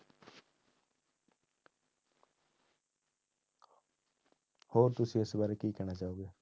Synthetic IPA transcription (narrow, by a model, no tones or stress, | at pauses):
hoːɾt̪ʊsĩːɪsbaːɾeːkiːkɛːɽ̃aːt͡ʃaːoːɡeː